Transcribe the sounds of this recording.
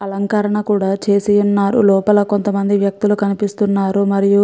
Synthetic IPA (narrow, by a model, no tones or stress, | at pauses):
ɐlɐŋkɐɾɐɳɐkuːɽaːt͡ʃe̞ːsijunːaːɾṵlɔːpɐlɐko̞nt̪ɐmɐnd̪iʋjɐk̚t̪ulukɐnipist̪unːaːɾumɐɾiju